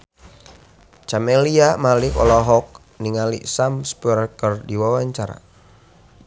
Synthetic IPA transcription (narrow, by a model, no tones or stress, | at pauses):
t͡ʃameliamalikɔ̰lɔɦɔk̚ | niŋalḭsamspuɾkərdiwawaɲt͡ʃaɾa̰